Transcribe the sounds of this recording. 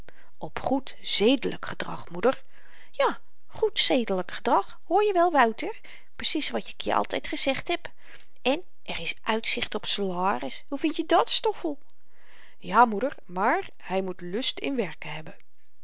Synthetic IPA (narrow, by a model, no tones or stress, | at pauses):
ʔɔpχut | z̥ejdələ̰kχədrɑ̰χmudəɹ | jaː | χutsejdələkχədrɑχ | hʊːɹjəʋɛlˠʋœwtəɹ | prəsisʋɑtɪkʰjə̰ʔɑ̰lˠtɛjtχəz̥ɛχtɦɛp | ʔɛn | ʔɛrɪsʔœɥtsɪχtɔpsalaːrɪshuvɪntjədɑtstɔfəlˠ | jaːmudəɹmaːɹ | hɛjmutlɵstɪ̰nʋɛɹkəɦɛbə